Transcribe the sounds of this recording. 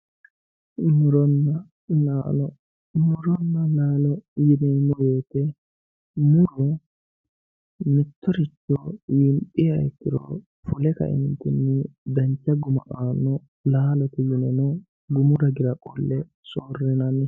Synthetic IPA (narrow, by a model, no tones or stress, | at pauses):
mɪɾɔnːɐ | laːlɔ | mɪɾɔnːɐlaːlɔjɪnɛmɔjeːt̪ɛ | mɪɾɔ | mɪt̪ːɔɾɪt͡ʃːɔjɪmpʼːɪjɐɛt̪ːɪɾɔ̰ | fʊlɛkɐ̰ʔɪ̰nt̪ːɪnːɪd̪ɐnt͡ʃːɐɡʊmɐ̰ʔaːnːɔ | laːlɔt̪ɪjɪnɛnɔ | ɡʊmʊɾɐɡɪɾɐkʼɔ̰lːɛ | soːrːɪnɐnːɪ